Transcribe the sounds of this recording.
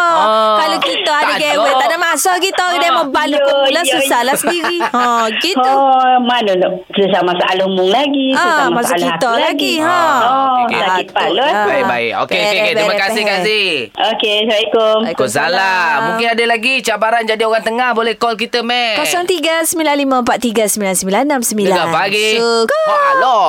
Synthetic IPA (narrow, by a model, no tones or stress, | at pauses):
ɔkalokit̪əadəɡɛwɛanamasɔɡit̪ɔdamɔbalulausalasəndiɾiɔ̃ɡit̪umanun | səsamasaʔalumʊŋlaɡiaamaskit̪ɔlaɡiɔɔsakipaloabaibaɪ̰ʔo̰keket̪ɾimakasɪhkasiokebaikokosalamũŋkɪnadəlaɡit͡ʃabaɾand͡ʒadioɣaŋt̪əŋahbolɛhkɔlk̬it̪əmɛkosɔŋt̪iɡasəmilanlimãəmpat̪̚iɡasəmbilansəmbilannːamsəmbilaɡapaɡi | alɔ